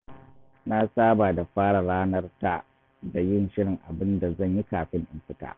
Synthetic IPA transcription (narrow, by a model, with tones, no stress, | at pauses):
na˦saː˦baː˨da˨ɸaː˦ɽa˨ɽaː˦nɐ˦rta˨ | da˨jɪ˦˨nʃɪ˦ɽɪ˨ŋʔa˨bɪ˦nda˨zɐ˦˨ɲji˦kaː˨ɸɪ˦ŋʔɪ˨mɸɪ˦ta̰ː˦